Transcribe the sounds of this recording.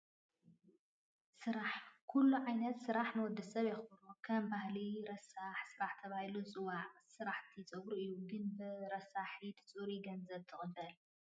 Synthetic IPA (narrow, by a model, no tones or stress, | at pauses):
sɨɾaħkʰulːuʕajnɐt̪sɨɾaħnɐwɔd̪ːɐsɐβjɛxnukʰɐmbahliɾɐsaħsɨɾaħt̪ʰɐβahilut͡sʼɨwaʕsɨɾaħt̪ʰit͡sʼɐβɾuʔɨjːuɡɨnbɨɾɐsaħit̪ʰɨ̥t͡sʼuɾiɡɐnzɐb̚t̪ʰɨχʼɨbɐl